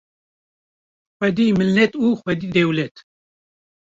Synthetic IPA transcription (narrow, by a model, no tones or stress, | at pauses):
xʷɛd̪iːmɨlːɛt̪uːxʷɛd̪iːd̪ɛwlɛt̪